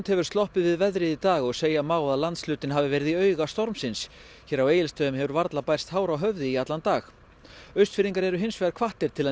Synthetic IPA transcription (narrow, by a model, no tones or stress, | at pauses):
nt̪hɛvʏ̥st̪ɔhpɪðvɪðvɛðɾɪðit̪aːɣɔɣseːjamaːwðaðlant̪slʏːt̪ɪnɦaːvɪvɛːɾɪðiœɥɣast̪ɔɾmsɪns | çɛːɾaweːjɪlst̪œːʏmhɛvʏɾvaɾt̪lapajr̥st̪haːwɾawɦœvðɪiat̪lant̪aːx | œɥst̪fɪɾiŋkaɾɛɾʏɦɪnsvɛːaɾkʰv̥aht̪ɪɾ̥t̪ʰɪlɛ